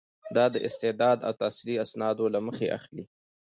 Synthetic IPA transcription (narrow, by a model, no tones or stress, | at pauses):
d̪ɑd̪əʔɪst̪ɪd̪ɑd̪a̰wt̪ɑsiliasnɑd̪olaməxeʔa̰xli